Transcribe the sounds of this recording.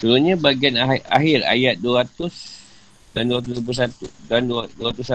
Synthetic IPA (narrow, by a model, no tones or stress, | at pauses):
səɾuɲabaɡianaa̰ɦɪra̰jat̪̚duɾat̪ʊs | danduɾat̪̬usp̬usat̪udandduɾat̪usa